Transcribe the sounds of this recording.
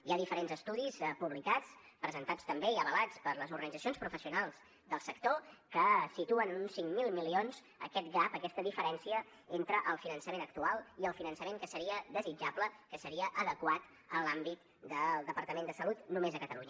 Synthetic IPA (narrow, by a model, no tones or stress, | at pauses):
iaðifəɾenzəst̪uðispuβlikat͡spɾəzənt̪at͡st̪əmbeiəβəlat͡spəɾləzuɾɣənidd͡zəsionspɾufəsiunalˠz̥ | d̪əlˠsəkt̪okəsit̪uənunsːiŋmilˠmilionz̥ | ə̰kɛt̪ɡapəkɛst̪əðifəɾɛnsiə | ent̪ɾəʔəlˠfinənsəmenək̚t̪ualˠiəlˠfinənsəmeŋkəsəɾiəðəzid͡ʒapləkəsəɾiəʔəðəkwat̪ | əlambit̪ | d̪əlˠd̪əpəɾt̪əmend̪əsəlut̪numezəkət̪əluɲə